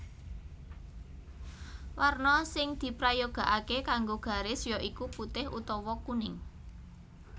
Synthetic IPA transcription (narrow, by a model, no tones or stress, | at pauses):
warnɔsɪŋd̪̥i̤pɾajoɡ̥ä̤ʔakekaŋɡoɡ̥a̤ɾɪsjɔʔikuput̪ɪhʔṵt̪ɔwɔkunɪŋ